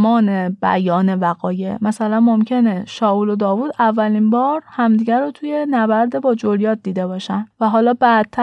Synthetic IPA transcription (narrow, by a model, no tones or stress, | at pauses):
mɒːne̞b̥æ̰jɒːne̞væɣɒːje̞mæsælænmo̞mcʰe̞ne̞ʃɒːʔuːlo̞d̪ɒːvuːd̪ævːælinbɒːɾhæmd̪iːɟæɾot̪ʰuje̞næbæɾd̪ebɒːd͡ʒoɾjɒːt̪̚d̪iːd̪e̞bɒːʃænd̪væɦɒːlɒːbæd̪̥̚t̪ʰːæ